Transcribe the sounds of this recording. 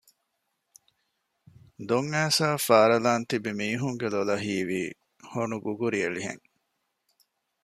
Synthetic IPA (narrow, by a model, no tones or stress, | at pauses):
d̪oŋːæːsaːfaːɾɐlaːnt̪ibimiːɦuŋɡelolɐɦiːʋiː | honuɡuɡuɾiɐliɦḛŋ